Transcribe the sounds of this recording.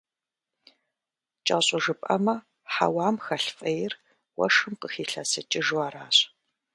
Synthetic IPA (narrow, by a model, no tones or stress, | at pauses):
t͡ʃʼɐɕʼʊʒɨpʼɐmɐ | ħa̰waːmxɐɬfʼɐjɪr | wɐ̰ʂɨmqəxiːɬɐsɐt͡ʃʼɪʒwaːɾaːɕ